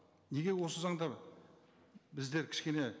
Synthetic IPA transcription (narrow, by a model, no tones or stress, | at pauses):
ne̞ɡʲe̞wo̞səzɑɴd̪ɑ | bɪzd̪e̞ɾkʲʰɪ̥ʃkʲe̞ne̞